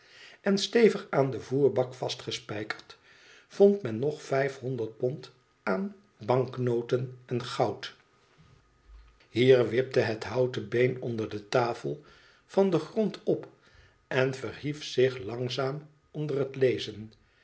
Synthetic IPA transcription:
ʔɛnstejvəχaːndəvuːɹbɑkfɑstχəspɛjkəɹt | v̥ɔntmɛnːɔχfɛjfɦɔndəɹt̚pɔnt | ʔaːn | bɑŋknowtənɛnχɑwt | ɦiːɹʋɪp̚dəɦətɦɑwtəbejnɔndəɹdətaːfəlˠ | vɑndəχrɔntʰɔp | ʔɛnvərɦifsɪχlɑŋzaːm | ɔndərətlejzən

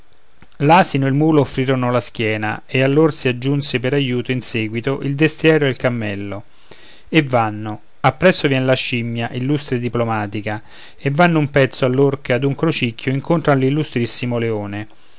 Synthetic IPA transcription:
laːsinoelmuːloːfːɾiːɾonolask̟jɛːna̰ealːorsiad͡ʒːunsepeɾajuːt̪oinsɛːɡwit̪oʔild̪est̪jɛːɾoelkamːɛlːo | evːanːo | apːɾɛsːovjɛnelaʃimːjaʔilːust̪ɾed̪iplomaːt̪ika | evːanːʊumpɛt̪sːoalːorkead̪uŋkɾot͡ʃikʰːjoiŋkont̪ɾalilːust̪ɾisːimoleoːne

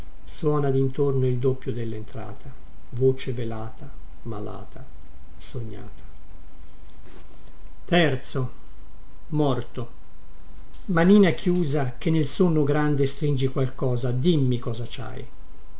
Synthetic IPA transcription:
swɔːnad̪int̪ornoild̪opːjod̪elːent̪ɾa̰ːt̪ʰa | voːt͡ʃevelaːt̪a | ma̰la̰ːt̪ʰa | soɲːa̰ːt̪ʰḁ | t̪ɛrt̪so | mɔrt̪o | maniːnakʰjuːzak̟enːelsonːoɡɾand̪est̪ɾind͡ʒikwalkɔːzad̪imːikɔːzat͡ʃa̰j

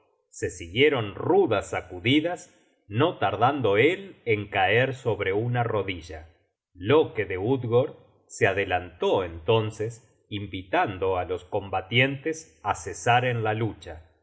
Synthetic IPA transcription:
se̞siɣje̞ɾo̞nruðasːakuðiðas | no̞t̪aɾðand̪o̞eleŋkaeɾso̞βɾe̞unaro̞ðiʒa | lo̞keðeud̪ɣoɾ | seaðelant̪oent̪o̞nses | imbit̪and̪o̞alo̞sko̞mbat̪je̞nt̪es | asesaɾenlalut͡ʃa

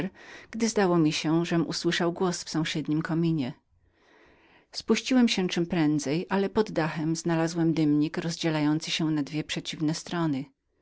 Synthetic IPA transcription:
ɾɡ̥d̪ɘzd̪awɔmʲiɕɛʐɛmṵswɘʂawɡwɔsfsɔ̃w̃ɕɛd̪ɲimkɔmʲiɲɛ | spuɕt͡ɕiwɛmɕɛt͡ʂɘmpɾɛnd̪zɛjʔalɛpɔd̪ːaxɛmznalazwɛmd̪ɘmɲikɾɔzd͡ʑɛlajɔnt̪sɘɕɛnad̪vʲjɛpʂɛt͡ɕivnɛst̪ɾɔnɘ

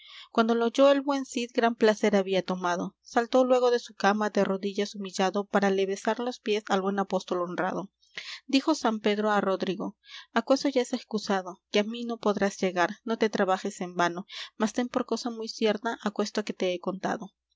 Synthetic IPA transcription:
kwand̪o̞loʝo̞e̞lbwe̞nsit̪̚ɡɾamplase̞ɾaβiat̪o̞maðo̞salt̪o̞lwe̞ɣo̞ðe̞sukamad̪ero̞ðiʝasumiʝaðo̞paɾale̞βe̞saɾlo̞spje̞salβwe̞napo̞st̪o̞lonra̰ð̞o̞ | d̪ixo̞sampe̞ðɾoaro̞ðɾiɣo̞akwe̞st̪oʝaeseskusaðo̞keamino̞po̞ðɾazʝe̞ɣaɾno̞t̪e̞t̪ɾaβaxe̞se̞mbano̞mast̪e̞mpo̞ɾko̞samujsje̞ɾt̪aʔakwe̞st̪oke̞t̪e̞eko̞nt̪a̰ðo̞

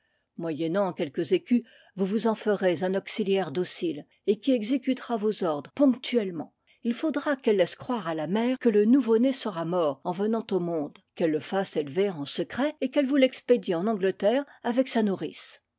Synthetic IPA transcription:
mwajɛnɑ̃ːkʲɛlkəzekʲy | vuvuzɑ̃fəʁezɛ̃nɔksiljɛʁd̪osil | ekʲiɛɡzekʲyt̪ʁavozɔʁd̪ʁpɔ̃kt̪ʰyɛlmɑ̰̃ | ilfod̪ʁakɛlːɛskχwaʁalamɛːʁkələnuvonesəʁamɔːʁɑ̃vənɑ̃t̪omɔ̃d̪kɛlːəfaselveʁɑ̃səkχɛekɛlvulɛksped̪iɑ̃nɑ̃ɡlət̪ɛʁavɛksanuʁis

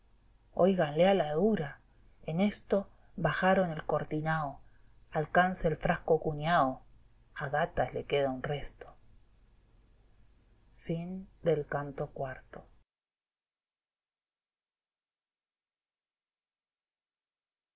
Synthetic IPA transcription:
ojɣanlealaðuɾa | ene̞st̪o̞ | βaxaɾo̞ne̞lkoɾt̪inaoalkanseːlfɾaskokuɲjao | aɣat̪aslekeðaunrest̪o̥ | find̪elkant̪o̞kwaɾt̪o

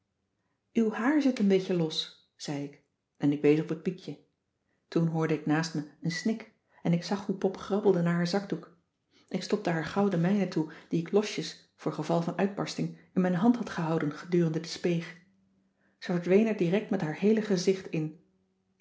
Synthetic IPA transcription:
ywhaːɹzɪtənbejcəlɔs | z̥ɛjɪk | ʔɛnɪkʋejsɔpət̚pikjə | tunɦʊːɹdəɪknaːstməənsnɪk | ɛnɪksɑχɦupɔpχrɑbl̩ˠdənaːɹɦaːɹzɑɡduk | ʔɪkstɔp̚təɦaːɹχɑwdəmɛjnətud̥iɪklɔʃjəs | fʊːɹχəvɑlˠvɑnœɥd̚bɑɹstɪŋɪnmɛjnɦɑntɦɑtχəɦɑwdənχədyːrəndədəspejχ | z̥əvəɹdʋejnɛɹdiːrɛk̚tmɛtɦaːɹɦejləχəzɪχtɪn

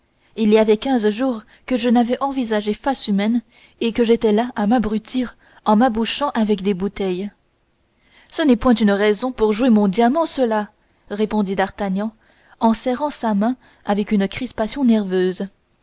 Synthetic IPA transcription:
iliavɛkʲɛ̃zʒuːʁ | kəʒənavɛʔɑ̃vizaʒefasymɛn | ekəʒet̪ɛlaʔamabʁyt̪ʰiʁ | ɑ̃mabuʃɑ̃ʔavɛkd̪ebut̪ɛj | sənɛpwɛ̃t̪ynʁɛzɔ̃puʁʒwemɔ̃d̪jamɑ̃səla | ʁepɔ̃d̪id̪aʁt̪aɲɑ̃ | ɑ̃sɛʁɑ̃samɛ̃ | avɛkynkχispasjɔ̃nɛʁvøːz

